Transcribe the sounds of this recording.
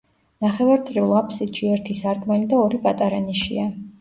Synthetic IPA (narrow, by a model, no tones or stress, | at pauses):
naχɛvaɾt̪sʼɾilˠapʰsid͡ʒiɛɾt̪ʰisaɾkʼmɛlid̪aɔɾipʼat̪ʼaɾɛniʃḭa